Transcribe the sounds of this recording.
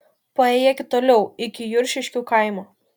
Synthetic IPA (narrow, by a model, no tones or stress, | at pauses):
pɐeːjɛkʲɪt̪oːlʲɛʊɪkʲɪjʊɾʲʃʲɪʃʲkʲuːkɐˑɪmuː